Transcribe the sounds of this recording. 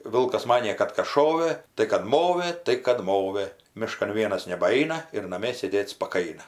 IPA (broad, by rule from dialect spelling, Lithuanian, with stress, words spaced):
ˈʋʲɪlˠkɐs ˈmɑːnʲeː ˈkɐt kɐs ˈʃoːʋɘ tɐɪ kɐt ˈmoːʋɘ tɐɪ kɐt ˈmoːʋɘ ˈmʲɪʃkɐn ˈʋʲiɛnɐs nʲɛbɐˈɐɪnɐ ɪr nɐˈmʲiɛ sʲeːˈdʲeːt spɐˈkɐɪnɐ